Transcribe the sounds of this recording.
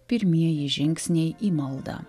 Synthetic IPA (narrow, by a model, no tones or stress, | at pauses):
pʲɪɾʲmʲiɛjɪʒʲɪŋʲkʲsʲnʲejimɐlˠd̪ɑ̰